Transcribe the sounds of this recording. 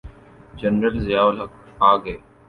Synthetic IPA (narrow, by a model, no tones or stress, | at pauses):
d͡ʒənɾəlzɪjaːʋəlɦɐk | aːɡɐeː